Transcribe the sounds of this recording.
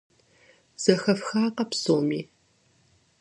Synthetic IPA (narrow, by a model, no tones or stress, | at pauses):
z̥ɐxɐfxaːqɐpsoːmiː